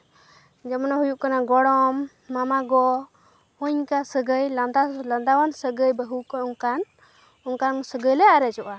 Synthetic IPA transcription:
d͡ʒɛmɔnaɦujuʔkanaɡɔɽɔmː | amaɡɔ | huɲkasəɡəjland̪aland̪awansəɡəjbəɦukauŋkan | ɔŋkansəɡəjlɛaɾɛd͡ʒɔʔa

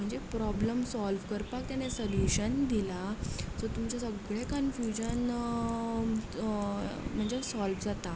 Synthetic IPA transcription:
m̤əɳd͡zepɾɔbləmsɔlʋkəɾpak̚t̪janesəljuɕənd̪ilat͡sɔt̪umt͡ɕasəɡɭekənfjud͡ʑən | m̤əɳd͡zesɔlʋd͡zat̪a

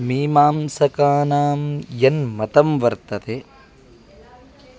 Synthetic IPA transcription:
miːmaːmsɐkaːnaːmjɐnmɐt̪ɐmʋɐɾt̪ɐt̪e

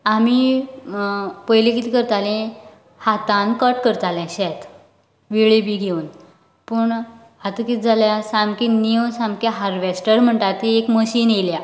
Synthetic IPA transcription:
ami | pəjlekit̪ikəɾt̪alẽ | hat̪ãnkəʈkəɾt̪alɛ̃ɕɛt̪ | ʋiɭebiɡʱeuːn | pəɳ | at̪əkit̪̚d͡zʱaljasamkiniəwsamkaɦaɾʋesʈəɾm̤əɳʈat̪iekməɕiːnelja

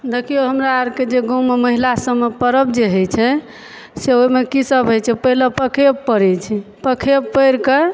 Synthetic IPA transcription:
d̪ekʰijoɦəmɾaaɾked͡ʒeɡõmeməɦilasəmːepəɾəbd͡ʒeɦəjt͡ʃʰɛ | seoimekisəbʱɦojt͡ʃʰɛpəɦiləpəkʰebpəɾɛt͡ʃʰipəkʰebpəjɾke

